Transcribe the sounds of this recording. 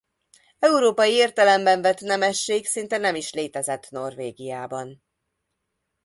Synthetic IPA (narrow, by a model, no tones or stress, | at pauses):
ɛuɾoːpɒjieːrt̪ɛlɛmbɛɱvɛt̪nɛmɛʃːeːksint̪ɛnɛmiʃleːt̪ɛzɛt̪no̞rveːɡijaːbɒn